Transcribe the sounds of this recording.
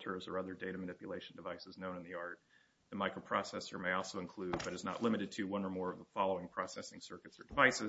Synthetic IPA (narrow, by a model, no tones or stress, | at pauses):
tʰə˞zə˞ʌðə˞deɪɾɨmɨnɪpjɨleɪʃn̩dɨvaɪsɨznõʊ̃nɨ̃nðiɑɹt̪̚ | ðɨmaɪkɹoʊpʰɹ̥ɑsɛsə˞meɪɔlˠsoʊɨ̃nkʰl̥ʉd̚bʌɾɨznə̰ʔˡlɪ̃mɨɾɨd̚tʰɨwʌ̃nə˞mɔɹʌvðəfɑlˠoʊɪ̃ŋpʰɹ̥ɑsɛsɪ̃ŋsɜ˞kɨtsə̰˞dɨvaɪsɨ